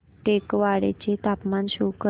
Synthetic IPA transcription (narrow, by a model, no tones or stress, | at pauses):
ʈekʋaɽḛt͡ɕet̪apmanɕukə